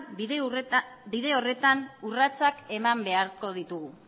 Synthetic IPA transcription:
biðe̞o̞re̞t̪anurat͡sake̞mambe̞aɾko̞ð̞it̪uɣu

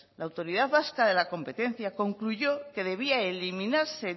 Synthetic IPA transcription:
laːwt̪o̞ɾiðaðβaskaðe̞lako̞mpe̞t̪e̞n̟θjako̞ŋkluʝo̞ke̞ðe̞βiaelimĩnaɾse̞

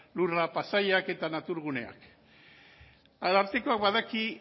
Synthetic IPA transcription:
lurapasaʎake̞t̪anat̪uɾɣ̞une̞̰a̰k | alaɾt̪eko̞akbaðaki

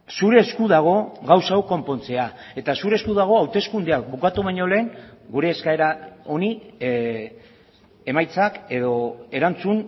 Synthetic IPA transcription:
suɾe̞ːskuðaɣ̞o̞ɣawsawko̞mpo̞nt͡se̞ae̞t̪asuɾeskuðaɣ̞o̞awt̪e̞skund̪eak̚bukat̪uβaɲo̞le̞ːŋɡuɾe̞ːskae̞ɾao̞ni | e̞majt͡sake̞ðo̞e̞ɾant͡sun

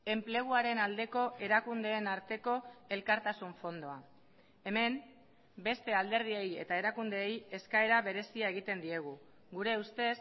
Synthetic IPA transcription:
e̞mple̞ɣ̞uaɾe̞nald̪e̞ko̞ʔe̞ɾakund̪e̞ːnaɾt̪e̞ko̞e̞lkaɾt̪asuɱfo̞nd̪o̞a | e̞me̞m | be̞st̪e̞ald̪e̞ɾð̞ie̞je̞̰t̪ae̞ɾakund̪e̞ːje̞skae̞ɾaβe̞ɾe̞siae̞ɣ̞it̪e̞nd̪ie̞ɣ̞u | ɣuɾe̞ust̪e̞s

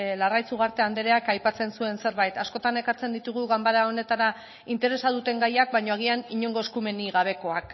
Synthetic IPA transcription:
larajt͡suɣaɾt̪e̞and̪eɾe̞akajpat͡se̞nsue̞nse̞ɾβajt̪asko̞t̪ane̞kaɾt͡se̞nd̪it̪uɣ̞uɣambaɾao̞ne̞t̪aɾa | int̪e̞ɾe̞saðut̪e̞ŋɡajak̚bajɲo̞aɣianiɲo̞ŋɡoeskume̞niɣaβ̞e̞ko̞ak

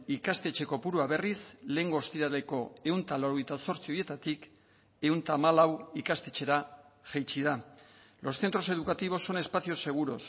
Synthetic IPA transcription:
ikast̪e̞t͡ʃe̞ko̞puɾuaβe̞risle̞ŋɡo̞ːst̪iɾale̞ko̞e̞unt̪alaoɾoejt̪aso̞ɾt͡sio̞je̞t̪at̪ik | e̞unt̪aːmalawikast̪e̞t͡ʃe̞ɾa | ʝejt͡ʃið̞a | lo̞sθe̞nt̪ɾo̞se̞ðukat̪iβ̞o̞sːo̞ne̞spaθio̞se̞ɣ̞uɾo̞s

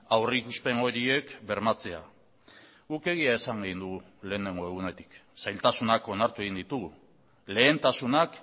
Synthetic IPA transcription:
awrikuspe̞ŋo̞ɾie̞kbe̞ɾmat͡se̞a | ɣuke̞ɣiae̞saŋɡeɣind̪uɣu | le̞ːne̞ŋɡo̞e̞ɣ̞une̞t̪i̥ksajlt̪asunako̞naɾt̪ueɣind̪it̪uɣu | le̞ːnt̪asunak

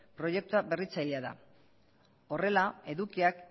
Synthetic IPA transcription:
pɾo̞je̞k̚t̪uabe̞rit͡sajleaða̰ | o̞re̞lae̞ðukiak

